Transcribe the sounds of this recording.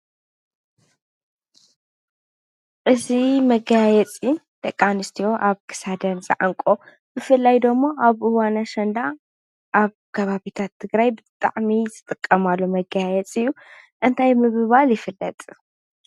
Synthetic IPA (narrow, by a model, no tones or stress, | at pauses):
ʔɨzimɐɡaajɛt͡sʼi | d̪̥ʼɐkʼːanɨst̪ʰijo̞ʔaβkʰɨ̥sad̪ɐnzʼɐ̰ʕaŋkʼo̞ | bɨfɨlːajd̪ɐmːoʔaβʔɨwanaʃɐnd̪a | ʔaβkʰɐβaβit̪ʰat̪ʰːɨɡɾajbɨt̪ʼa̰ʕmizɨt̪ʼɨkʼːɐmalːomɐɡaajɛt͡sʼɨjːuʔɨnt̪ʰajmɨβɨβaljɪfɨlːɐt̪ʼ